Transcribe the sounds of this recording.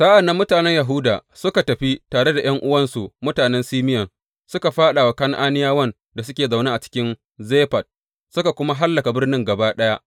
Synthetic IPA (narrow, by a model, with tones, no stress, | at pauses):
saː˦ʔa˨nːɐ˦mːʊ˦taː˨nɛ˦ɲjɐ˨ɦʊ˦daː˨sʊ˦ka˨tɐ˨ɸi˦taː˨ɽe˦da˨j̰ɐ˦ŋʔʊ˦wɐ˦nsu˨mʊ˦taː˨nɛ˦nsiː˦mɪ˦jɐ˨n | sʊ˦ka˨ɸaː˦ɗa˨wa˨kɐ˦ŋʔaː˦nɪ˦jaː˦wɐ˦˨n | da˨s̬ʊ˦kʲeː˨zɐ˨wneː˦ʔa˨t͡ʃɪ̥˦kʲɪ˦n | zeː˦ɸɐ˨t̚ | sʊ˦ka˨kʷʊ˦ma˦ɦa˦lːɐ˨ka˨bɪ˦rnɪ˦ŋɡɐ˨baː˦ɗɐ˦ja˦ʔ